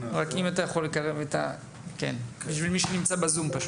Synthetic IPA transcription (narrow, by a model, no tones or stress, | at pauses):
ʁakimat̪ajaχo̞lːe̞kaʁe̞vet̪a̰ | kḛnbiʃvilmiʃenimt͡sabazumpaʃ